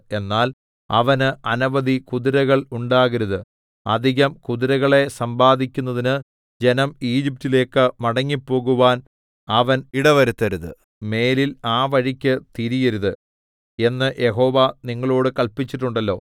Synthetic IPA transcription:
e̞nːaːl | ɐ̰ʋɐnɨɐnɐʋɐd̪ʱikuðiɾɐɣɐɭuɳɖaːɣɐɾuðɨ | ɐ̰d̪ʱiɣɐmkuðiɾɐɣɐɭe̞sɐmbaːd̪ʱikʲːunːɐðinɨ | d͡ʑe̞nɐmiːd͡ʑip̚tile̞ːkːɨmɐɽɐŋːipːo̞ːɣuʋaːn | ɐʋɐniɽɐʋɐɾut̪ːɐɾuðɨ̰ | me̞ːlilaːʋɐɻikʲːɨt̪iɾijɐɾuðɨ | e̞nːɨjʔe̞ɦo̞ːʋaniŋːɐɭo̞ːɽɨkɐɭpit͡ɕːiʈːuɳɖɐlːo̞ː

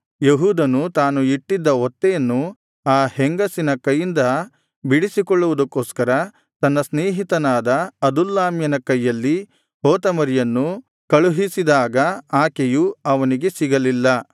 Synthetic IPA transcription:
jeɦuːd̪ɐnut̪aːnuiʈːid̪ːɐɔt̪ːɛjɐnːu | aːheŋɡɐsinɐkɐjːind̪ɐ | biɽisikɔɭːuʋud̪ɐkːoːskɐɾɐ | t̪ɐnːɐsneːɦit̪ɐnaːd̪ɐɐd̪ulːaːmjɐnɐkɐjːɐlːi | hoːt̪ɐmɐɾijɐnːu | kɐɭuɦisid̪aːɡɐaːkejuɐʋɐniɡe̞siɡɐlilːɐ

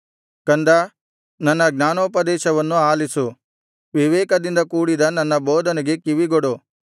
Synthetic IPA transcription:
kɐnd̪ɐ | nɐnːɐɡnaːnoːpɐd̪ɛːʃɐʋɐnːuaːlisu | ʋiʋɛːkɐd̪ind̪ɐkuːɽid̪ɐnɐnːɐbɔːd̪ɐnɛɡekiʋiɡoɽu

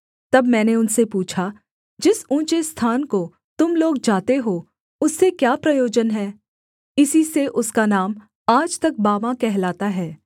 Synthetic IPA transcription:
t̪ɐbmɛ̃ːneʊnsepuːt͡ʃʰa | d͡ʒɪsũːt͡ʃest̪ʰaːnko | t̪ʊmloːɡ̚d͡ʒaːt̪eɦoː | ʊsːekjaːpɾɐjoːd͡ʒənɦɛː | ɪsiseʔʊskanaːm | aːd͡ʒt̪ɐk̚baːmãkɛɦlaːt̪aɦɛː

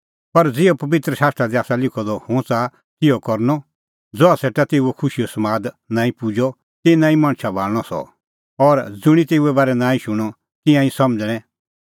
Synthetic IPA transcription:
pɐɾd͡zɪopɐbɪt̪ɾəʃaːst̪ɾad̪iaːsalɪkʰɔd̪ɔhʊ̃t͡sa | t̪ɪjɔkɔɾnɔ | d͡zɔaseːʈat̪eːuɛkʰʊʃijɔsɐmaːd̪ | nãːĩpʊd͡ʒɔ | t̪enãːĩmãːɽ̃ʃʰabʱaːlɽ̃ɔsɔ̰ | ɔɾd͡zʊɽ̃it̪eːuɛbaːɾɛnãːĩʃʊɽ̃ɔ | t̪ɪ̃jãĩsɐmd͡zɽ̃ɛ̃

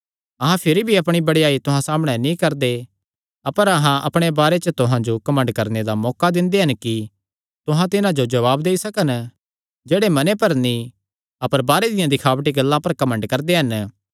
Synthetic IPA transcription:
ɐɦãpʰɪɾibʱiɐpɽ̃ibɐɽjaːit̪ʊɦãsaːməɽ̃ɛnĩkɐɾd̪e | ɐpəɾɐɦãʔɐ̰pɽ̃ebaːɾet͡ʃət̪ʊɦãd͡ʒokɐmə̃ɳɖkɐɾned̪amɔːkad̪ɪ̃nd̪eɦɐnki | t̪ʊɦãt̪ɪnãd͡ʒod͡ʒɐʋaːbd̪eːisɐkən | d͡ʒeːɽemɐnepɐɾnĩ | ɐpəɾbaːɾed̪ɪjãd̪ɪkʰaːʋəʈ̬iɡɐlːãpɐɾkɐmə̃ɳɖkɐɾd̪eɦɐn

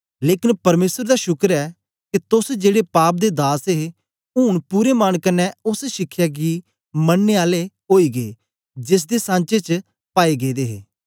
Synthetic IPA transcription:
leːkɪnpəɾmeːsəɾd̪aːʃʊkɾɛː | ket̪ʊsd͡ʒeːɽeːpaːp̬̚d̪eːd̪aːse | ʊːɳpuːɾeːmaːnkənɛːʊsʃɪkʰːjaːɡiː | mənːeːaːle | ɦoːiːɡeeː | d͡ʒɪs̬d̪eːsãːnt͡ʃet͡ʃ | paːeɡeːd̪eːɦeː

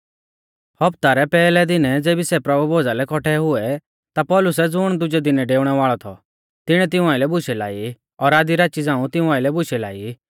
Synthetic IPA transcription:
hɐpt̪aɾɛpɛːlɛd̪ɪnɛd͡zeːbisɛpɾɐbubʱoːd͡zalɛkɔʈʰɛɦʊɛ | t̪apɔːlʊs̬ɛd͡zʊɽ̃d̪ʊd͡ʒɛd̪ɪnɛɖeːʊɽ̃ɛʋaːɭɔt̪ʰɔ̰ | t̪ɪɽ̃ɛt̪̬ɪ̃ũaːɪlɛbʊʃʰɛla̰ːi | ɔɾaːd̪iɾat͡ʃid͡zãːũt̪ɪũaːɪlɛbʊʃɛla̰ːi

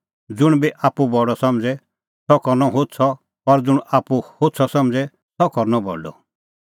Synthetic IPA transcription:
d͡zʊɽ̃biʔaːpubɔɽɔsɔmd͡zɛ | sʰɔkɔɾnɔɦot̪t͡sʰɔ | ɔɾd͡zʊɽ̃aːpuhot̪t͡sʰɔsɔmd͡zɛ | t̪ɔkɔɾnɔbɔ̰ɖɔ̰

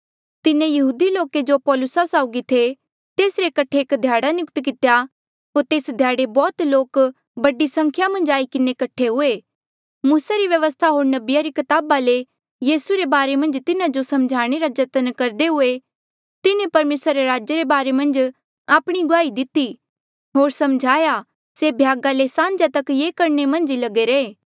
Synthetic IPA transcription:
t̪ɪnẽjɐɦuːd̪iloːked͡ʒopɔːlʊsasaːʊɡit̪ʰe | t̪eːsɾekɐʈʰːeːkd̪ʱjaːɽanʊkt̪kɪt̪ja | ɦoːɾt̪eːsd̪ʱjaːɽebɔːt̪loːk | bɐɖisɐ̃ŋkʰjamɐ̃nd͡ʒaːikɪnekɐʈʰːeɦʊe | muːsaɾiʋjɐʋəst̪ʰaɦoːɾnɐbɪjaɾikɐt̪aːbale | jiːsuɾebaːɾemɐ̃nd͡ʒt̪ɪnad͡ʒosɐmd͡ʒʱaːɽ̃eɾad͡ʒɐt̪ənkɐɾd̪eɦʊe | t̪ɪnẽpɐɾmeːsɾaːɾeɾaːd͡ʒjəɾebaːɾemɐ̃nd͡ʒ | aːpɽ̃iɡʊaːid̪ɪt̪i | ɦoːɾsɐmd͡ʒʱaːja | sebʱjaːɡalesãːnd͡ʒat̪ɐkjeːkɐɾnemɐ̃nd͡ʒilɐɡeɾeeː

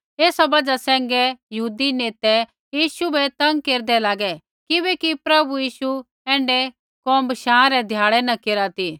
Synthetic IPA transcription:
eːsabɐd͡ʒasɛ̃ːŋɡɛjɐɦuːd̪ineːt̪ɛ | jiːʃubɛt̪ɐ̃ŋɡkeːɾd̪ɛlaːɡɛ | kɪβɛkipɾɐbujiːʃu | ɛ̃ːɳɖɛ | kɔ̃ːmbəʃãːɾɛd̪ʱjaːɭɛnɐkeːɾat̪iː

